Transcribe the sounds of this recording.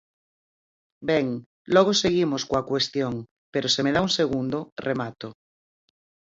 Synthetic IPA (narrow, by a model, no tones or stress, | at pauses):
beŋ | lɔɣ̞oseɣimoskoakwest̪joŋ | peɾosemeðauŋseɣ̞und̪orʔemat̪o